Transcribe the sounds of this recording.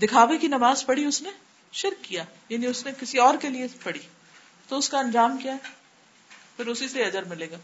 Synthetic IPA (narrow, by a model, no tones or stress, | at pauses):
d̪ɪkʰaːʋekinɐmaːzpɐɽiʊsne | ʃɪɾkːijaː | jaːniʊsnekɪsiɔːɾkeliepɐɽi | t̪oʊskaɐ̃nd͡ʒaːmkijaɦɛ | pʰɪɾʊsiseɐd͡ʒəɾmɪleːɡaː